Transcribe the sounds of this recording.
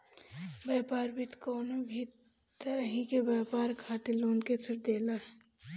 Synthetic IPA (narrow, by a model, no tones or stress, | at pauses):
bɛːpaːɾbʱit̪koːnobʱi | t̪əɾəɦĩkebjɛːpaːɾkʰaːt̪iloːnket͡ʃʰəʈd̪eːlaɦɛ